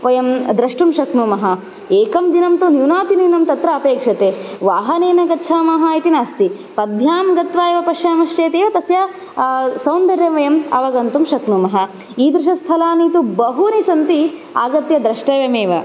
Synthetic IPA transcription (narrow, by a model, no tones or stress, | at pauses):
ʋɐjɐmd̪ɾɐʂʈumʃɐknumɐɦɐ | eːkɐmd̪inɐmt̪unjunaːt̪ininɐmt̪ɐt̪ɾɐːpeːkʂɐt̪eːʋaːɦɐneːnɐɡɐtːʃʰaːmaːɦaːit̪inaːst̪i | pɐd̪ʱjaːmɡɐt̪ʋaːjeʋɐpɐʃjaːmɐʃt͡ʃeːt̪eːʋɐt̪ɐsjɐ | sɐwnd̪ɐɾjɐmʋɐjɐmɐ̰ʋɐɡɐnt̪umʃɐknumɐɦɐ | iːd̪ɾɪʃɐst̪ʰɐlaːniːt̪ubɐɦunisɐnt̪iaːɡɐt̪jɐd̪ɾɐʂʈɐʋjɐmeːʋɐ̰